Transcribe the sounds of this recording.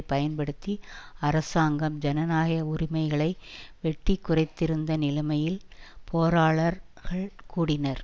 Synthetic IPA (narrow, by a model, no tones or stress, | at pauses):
pɐjɐnpɐɽɯt̪ːiɐɾɐsaːŋɡɐmd͡ʒɛnɐnaːɣɐjɐʊrɪmɐɪɣɐɭɐɪʋɛʈːikːʊrɐɪt̪ːɪɾɯnd̪ɐnɪlɐmɐjɪlpoːɾaːɭɐɾɣɐɭkuːɽɪnɐɾ